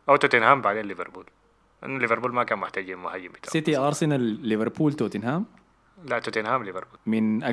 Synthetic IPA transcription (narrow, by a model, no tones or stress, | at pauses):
ʔawt̪ot̪inhaːmbaʕd̪eːnlːɪvɪ̰ɾbuːl | ʔa̰nːalːɪvɑɾbuːlmakaːnmʊħt̪aːd͡ʒiːnmʊhajːɪmbɪ̥t̪ːsɪt̪iʔɑɾˤsɪnalːɪvɑɾˤpuːlt̪ot̪ɪnhaːm | laʔt̪ot̪inhaːmlɪvɪɾbuːlmɪnʔa